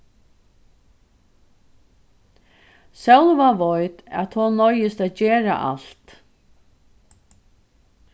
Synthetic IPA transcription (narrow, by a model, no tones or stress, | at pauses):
sɛlvaʋɔjt̪ɛ̰t̪ʰhɔnɔjɪst̪æːt̪d͡ʑeːɾa̰ʔa̰l̥t̪